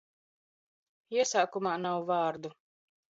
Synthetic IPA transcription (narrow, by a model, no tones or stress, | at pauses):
iɛsaːkumaːnawvaːɾd̪u